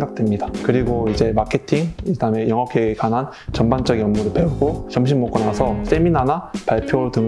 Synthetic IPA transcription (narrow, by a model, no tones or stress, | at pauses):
ŋɡak̚t͈wemɲidakɯɾiɡoid͡ʑe̞makʰe̞tʰiŋidame̞jʌŋɦakʰekanɦan | t͡ɕʌmbant͡ɕ͈ʌɡiʌmːuɾɯɭpe̞uɡoɕʰʌmɕʰimːok͈onasʰʌs͈e̞minɦanapaɭpʰjoɾɭtɯŋ